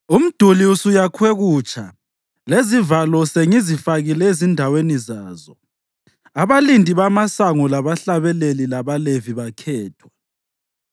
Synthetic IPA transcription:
um̩d̥ʱuliusujakʰweɣuːt͡ʃʼʰa | lezivalɔseŋizifaɣilɛezindʱawenizaːzɔ | aβalindʱiβamasaŋɔlaβaɬaβɛlelilaβaleviβakʰɛːtʰwa

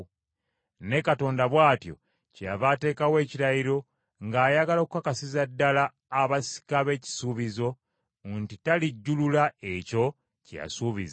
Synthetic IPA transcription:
ne̞kato̞ːndaβwaːtjo̞̰ | ceja̰βate̞ːkawe̞ːciɾajiɾo̞ | ŋɡaːjaɡalokukakasizadːalaː | βasi̥kaβe̞ːci̥suːβizo̞ | ntitaliɟːululaeco̞ | cja̰suːβiza

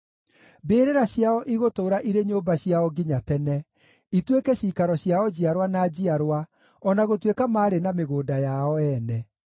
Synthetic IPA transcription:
beːɾeɾaɕjaɔʔiɣotoːɾaʔiɾeɲoːmbaɕiaɔɡiɲatɛnɛ | itwekɛɕiːkaɾɔɕiaɔd͡ʑiaɾwanaːd͡ʑiaɾowa | ɔnaɣotwekamaːɾenameɣoːdajaɔɛnɛ

